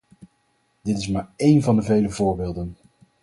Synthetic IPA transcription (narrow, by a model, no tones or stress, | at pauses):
d̥ɪtɪs̬maːɹejnvɑndəvejləvʊːɹbɪːlˠdən